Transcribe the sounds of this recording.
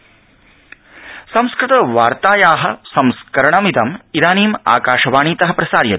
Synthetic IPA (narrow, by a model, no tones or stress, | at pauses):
sɐ̃mskɾɪt̪ɐʋaːɾt̪aːjaːɦɐ̆sɐmskɐɾɐɳɐmid̪ɐmiɾaːniːma̰ːkaːʂɐʋaːɳiːt̪ɐɦɐpɾɐsaːɾjɐ̰